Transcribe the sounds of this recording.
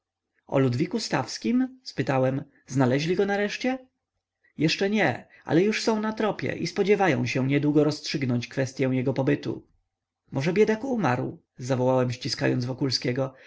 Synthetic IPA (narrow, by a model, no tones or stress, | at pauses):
ɔ̰lud̪vʲikust̪afskʲimspɘt̪awɛm | znalɛʑlʲiɡɔnaɾɛʂt͡ɕɛ | jɛʂt͡ʂɛɲɛ | ʔa̰lɛjuʂsɔ̃w̃nat̪ɾɔpʲjɛ̰ʔispɔd͡ʑɛvajɔ̰̃w̃ɕɛ̃ɲɛd̪wuɡɔɾɔstʂɘɡnɔɲt͡ɕkfɛst̪jɛw̃jɛɡɔpɔbɘt̪ṵ | mʔɔʐɛbʲjɛd̪akumaɾw | zavɔwawɛmɕt͡ɕiska̰jɔnzvɔkulskʲɛɡɔ